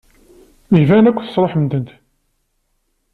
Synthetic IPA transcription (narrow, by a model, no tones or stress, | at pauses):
ivænækʷːθə̥sˤɾˤoħmənd̪ənt̪